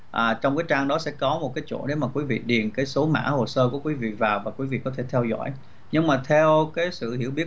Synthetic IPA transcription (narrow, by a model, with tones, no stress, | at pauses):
ʔaː˨˩t͡ɕɔ˧wŋ͡mkaː˨˦jt͡ɕaː˧ŋɗɔ˨˦sɛ̰˧˥kɔ˨˦mo˨˩t̚kaː˨˦jt͡ɕo̰˧˩ɗe˨˦maː˨˩kwi˨˦vḭ˧˨ɗi˨˩ənkaː˨˦jso˨˦ma̰ː˧˥ho˨˩səː˧ku˧˩əkwi˨˦vḭ˧˨vaː˨˩wvaː˨˩kwi˨˦vḭ˧˨kɔ˨˦t̪ʰe˧˩t̪ʰɛ˧wzɔ̰˧˥˨j | ɲɨ˧ŋmaː˨˩t̪ʰɛ˧wkaː˨˦jsɨ̰˧˨hḭ˧˩əwɓi˦˥ə